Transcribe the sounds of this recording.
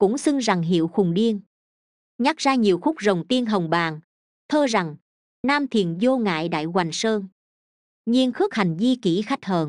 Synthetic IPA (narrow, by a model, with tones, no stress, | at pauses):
kʊ̰˧˥ŋ͡msɨ˧ŋza˨˩ŋɦḭ˧˨əwxʊ˨˩ŋ͡mɗi˧ən | ɲa˦˥k̚zaː˧ɲi˨˩əwxʊ˦˥k͡p̚zə˨˩wŋ͡mt̪i˧ənɦə˨˩wŋ͡mɓaː˨˩ŋ | t̪ʰəː˧za˨˩ŋ | naː˧mt̪ʰi˨˩ənzo˧ŋa̰ː˧˨jɗa̰ː˧˨jɣwa˨˩jŋ̟səː˧n | ɲi˧ənxɨ˦˥k̚ha˨˩jŋ̟zi˧ki˧˩xa˦˥k̟̚həː˨˩n